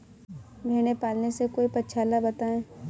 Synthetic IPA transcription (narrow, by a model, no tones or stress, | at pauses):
bʱeːɽ̃epaːlnesekoːipɐtːt͡ʃʰaːlabɐt̪aːẽː